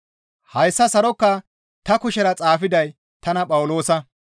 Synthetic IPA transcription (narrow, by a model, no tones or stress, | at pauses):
hɐjsːɐsɐɾɔkːɐ | t̪ɐkʊʃɛɾɐt͡sʼaːfɪd̪ɐj | t̪ɐnɐpʼɐwʊlo̞ːsɐ